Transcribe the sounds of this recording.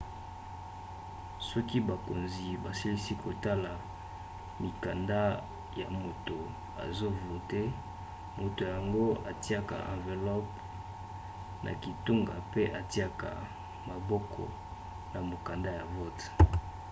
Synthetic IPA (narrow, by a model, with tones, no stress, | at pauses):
sɔ˦ki˦ba˨ko̰˨nzi˨ba˨si˦li˦si˦ko˨ta˦la˨ | mi˨ka˨nda˦ | ja̰˨mo˨to˨ | a̰˨zo˦vo˨te˦ | mo˨to˨ja˨ŋɡo˦a̰˨ti˦a˨ka̰˨ʔã̰˨nve˨lɔ˦p | nʔa̰˨ki˨to˦ŋɡa̰˨pe˦ʔa˨ti˦a˨ka̰˨ | ma˨bɔ˦kʰɔ̰˨ | na˨mo˨ka˨nda˦ja̰˨vo˦t